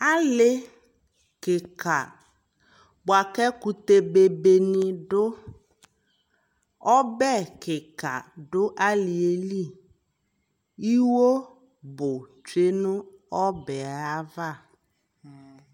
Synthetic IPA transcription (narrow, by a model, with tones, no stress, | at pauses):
a˦lɪ˦ | kɪ˨ka̰˨ | bʊ˨a˨kɛ˦ku˨t̪e˨be˨be˨nɪ̃˨ɖʊ˦ | ɔ˦bɛ˦˨kɪ˨ka̰˨ɖʊ˦ʔa˦lɪ˨e˦li˦˨ | i˦wo˦ | bʊ˨t͡ʃe˦nʊ̃˦ɔ˦bɛ˨a˦va˦˨